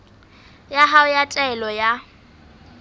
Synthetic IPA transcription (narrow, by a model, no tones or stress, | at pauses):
jaɦaʊjatʼɛɛlɔja